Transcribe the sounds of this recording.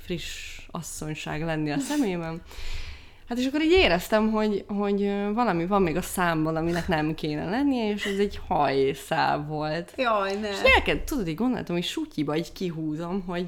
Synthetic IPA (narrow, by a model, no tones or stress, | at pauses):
friʃɒ̰sːo̞ɲʃa̰ːɡlɛnːiɒsɛmeːbɛn | hat̪eːʃɒkːoɾiːɟeːɾɛst̪ɛmɦo̞ɟɦo̞ɟvɒlɒmivɒmːeːɡɒsaːmbɒnɒminɛknɛmkeːnɛ̰lɛnːijɛeːʃɛzɛɟhɒjsa̰ːvːo̞lt̪jonɛʃɛlkɛt̪ud̪od̪iːɟɡond̪o̰l̰t̪omiːʃucibɒiɟckiɦuːzo̞mɦo̞ɟ